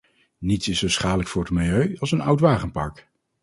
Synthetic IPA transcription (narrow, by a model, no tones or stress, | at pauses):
nitsɪsowsχaːdələkfʊːɹət̚mɪlˠjøɥɑlˠsənʌwtʋaːχənpɑ̰ɹk